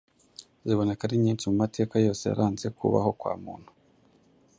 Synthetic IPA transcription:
ziβo̞nakaɾiɲiːnt͡ʃimumate̞ːkajo̞ːse̞ja̰ɾaːnze̞kʰṵβa̰ho̞kwa̰ːmṵːn̥hu̥

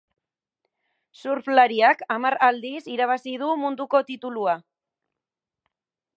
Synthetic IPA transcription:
suɾflaɾiakamaɾald̪isiɾaβ̞asið̞umund̪uko̞t̪it̪ulua

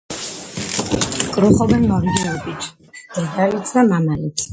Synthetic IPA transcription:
kʼɾuχɔbɛnimɔɾid̪iɔbit͡ʃʰ | ɾd̪alit̪sʰd̪amamalit̪ʰ

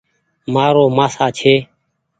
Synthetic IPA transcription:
maːɾoːmaːsaːt͡ʃʰeː

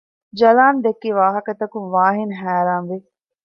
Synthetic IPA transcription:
d͡ʒɐlaːnd̪ekːeːʋaːɦəkət̪ɐkũʋaːɦɪnɦɛːɾãːmʋe

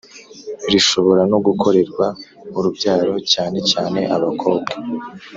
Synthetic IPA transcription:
iɾiʃo̞βo̞ɾanoɡukʰo̞ɾe̞ɾɡwauɾubɟaːɾo̞caːne̞caːne̞ʔaβakʰo̞ːbɡe

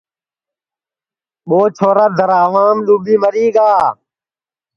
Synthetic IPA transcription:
ɓoːt͡ʃʰoːɾaːd̪ʱəɾaːʋaːmɗuːbiːməɾiːɡaː

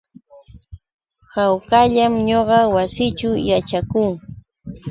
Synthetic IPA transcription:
hawkaʎamɲoɢɑwasɪt͡ʃʊjat͡ʃakuŋ

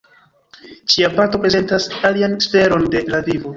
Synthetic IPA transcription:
t͡ʃiapato̞pɾe̞ze̞ntasalianste̞ɾo̞nde̞lavivo

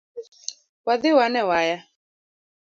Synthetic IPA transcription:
waðɪwanɛwaja

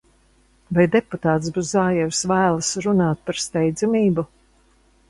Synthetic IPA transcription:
vajd̪eput̪aːt̪zbuszaːjɛwsvæːlˠɨsɾunaːt̪̚paɾst̪ɛjd̪zumiːbu

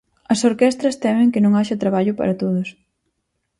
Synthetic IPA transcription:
ɐsoɾkɛst̪ɾɐst̪ɛmɪ̃ŋkɪnõŋaʃɐt̪ɾaβaʎʊpa̰ɾɐt̪oðʊs

